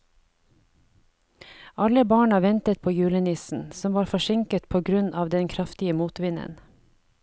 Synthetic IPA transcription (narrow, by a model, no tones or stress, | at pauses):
ʔɑləbɑːɳɑʋɛnt̪ət̪̚pʰoːjʉːlənɪsn̩sɔmʋɑːɾfɔʃɪŋkət̪pʰoːɡɾʉnɑːʋd̪ɛnkʰɾɑft̪ɪəmuːt̪ʋɪnə̰n